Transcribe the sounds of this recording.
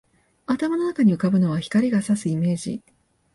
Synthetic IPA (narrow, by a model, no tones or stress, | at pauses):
at̪amano̞nakaɲ̟iɯ̟kabɯ̟no̞β̞açi̥kaɾʲiɡasasɨime̞ːʑḭ